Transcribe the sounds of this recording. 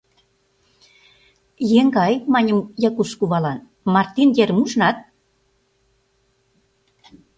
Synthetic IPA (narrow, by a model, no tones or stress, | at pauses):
jeŋɡɑjmɑnʲə̆mjɑkuʃkuβɑlɑn | mɑrt̪injermuʃnɑt̪̚